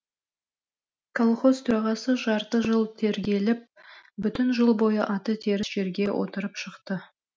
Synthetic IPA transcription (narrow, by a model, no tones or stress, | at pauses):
kʰolˠχo̞zt̪ʰʊɾɑʁɑsəʒɑɾt̪əʒəlˠt̪ʰe̞ɾɡʲe̞lɪp̚bʏt̪ɪnʒəlˠbo̞jəʔɑt̪ət̪ʰe̞ɾɪsʒ̥e̞ɾɡʲe̞wʔo̰t̪əɾəpʃəqt̪ə